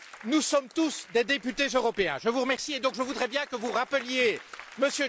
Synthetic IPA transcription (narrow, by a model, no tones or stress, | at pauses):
nusɔmt̪usd̪ed̪epyt̪ezøʁɔpeɛ̰̃ʒəvuʁəmɛʁsied̪ɔ̃kʒəvud̪ʁɛbjɛ̃kəvuʁapəljeməsjø